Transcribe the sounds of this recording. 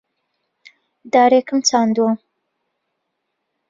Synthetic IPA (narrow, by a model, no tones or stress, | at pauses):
d̪aːɾekɨmt͡saːnd̪uɐ